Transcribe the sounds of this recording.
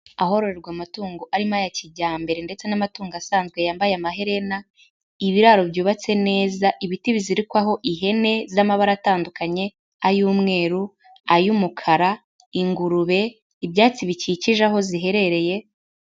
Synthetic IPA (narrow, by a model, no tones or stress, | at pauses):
aɦo̞ɾo̞ɾe̞ɾɡwaːmatuːŋɡoʔaɾimajaciɟaːmbe̞ɾe̞nde̞t͡se̞namatuːŋɡasaːnzɡwe̞jaːmbajamaɦe̞ɾe̞na | iβiɾaɾo̞bjuːβat͡se̞ne̞ːzaʔiβitiβiziɾikwaɦo̞ʔiɦe̞ne̞zamaβaɾataːndukaɲe̞ | ajuːmŋe̞ːɾu | ajumukʰaɾa | iŋɡuɾuβe̞ | ibjaːt͡siβiciciʒaɦo̞ziɦe̞ɾe̞ɾe̞je̞